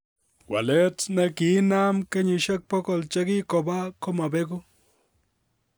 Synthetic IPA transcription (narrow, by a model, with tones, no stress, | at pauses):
wa̰˨le˦t͡sne˦ki˦na˦mke˦ɲi˨ʃe˦k̚po˦ko˨lt͡ʃe˦ɡi˦ko˨ba˦ko˦ma˨be˦ɡu˦